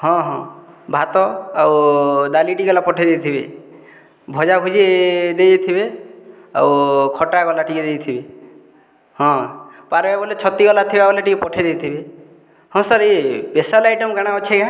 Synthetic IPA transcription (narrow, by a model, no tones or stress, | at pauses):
ɦɔ̃ɦɔ̃ | bʱat̪ɔawd̪aliʈiɡɔlapɔʈʰed̪et̪ʰibḛ | bʱɔd͡ʒabʱud͡ʒed̪ejt̪ʰibe | a̰wkʰɔʈakɔlaʈiked̪ejt̪ʰibe | hɔ̃paɾbabɔlet͡ʃʰɔt̪ikɔlat̪ʰibabɔleʈikepɔʈʰed̪ejt̪ʰibe | hɔ̃saɾepesalajʈɔmɡaɽ̃aɔt͡ʃʰeɡã